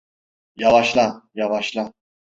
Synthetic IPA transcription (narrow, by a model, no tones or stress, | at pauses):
javaʃlˠajavaʃlˠa